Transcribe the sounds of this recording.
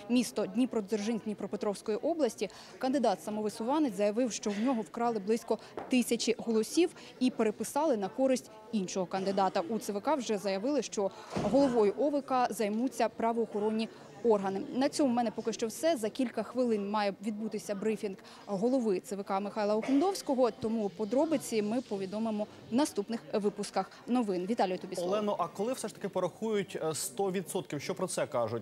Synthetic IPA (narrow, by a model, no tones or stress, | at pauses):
mʲist̪ɔdʲnʲipɾɔzerʒɪnʲdʲnʲipɾɔpet̪ɾɔwsʲkɔjiʔɔblˠɐsʲtʲi | kɐnd̪ɪd̪ɑt̪sɐmɔʋɪsʊʋɑnɪzɐjɐʋɪwʃt͡ʃɔwnʲɔɦɔwkɾɑlˠɪblˠɪsʲkɔ | t̪ɪsʲɐt͡ʃɪɦɔlˠɔsʲiw | ipeɾepɪsɑlˠɪnɐkɔɾɪsʲtʲ | inʃɔɦɔkɐnd̪ɪd̪ɑt̪ɐʔut̪sɪʋɪkɑwʒɛzɐjɐʋɪlˠɪʃt͡ʃɔɦɔlˠɔʋɔjʊʔɔʋɪkɐzɐjmut͡sʲːɐpɾɐʋɔːxɔɾɔnʲːi | ɔrɦɐnɪnɐt͡sʲɔmʊmɛnɛpɔkɪʃt͡ʃɔwsɛzɐkʲilʲkɐxʋɪlˠɪnmɑjɛʋʲid̪̚but̪ɪsʲɐbɾɪfʲinɡ | ɦɔlˠɔʋɪt̪sɪʋɪkɑmɪxɑjlˠɐʊxmed̪ɔwsʲkɔɦɔt̪ɔmupɔd̪ɾɔbɪt͡sʲimɪpɔʋʲid̪ɔmɪmɔ | wnɐst̪upnɪxʋɪpʊskɐx | nɔʋɪnʋʲit̪ɑlʲijʊt̪ɔbʲiɔlˠɛnɔʔɐkɔlˠɪwsɛʃt̪ɐ̥kɪpɔɾɐxujʊtʲst̪ɔʋʲid̪sɔt̪̚kʲiwʃt͡ʃɔpɾɔt̪sɛkɑʒʊt̚ʲ